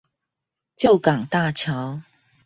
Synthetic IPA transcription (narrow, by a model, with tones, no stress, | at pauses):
t͡ɕjo˥˨ʊka˨˩ŋt̪a˥˨t͡ɕʰja˨˦ʊ